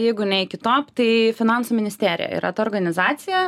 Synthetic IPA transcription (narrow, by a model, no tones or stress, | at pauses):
jɛɪɡʊnʲɛɪkʲɪt̪oːpt̪ɐɪfʲɪnɑnsuːmʲɪnʲɪsʲt̪ʲæːɾʲɪ̰jɛ̰ḭːɾʔɐ̰t̪ɐɔːɾɡɐnʲɪzɑːsʲɪjɛ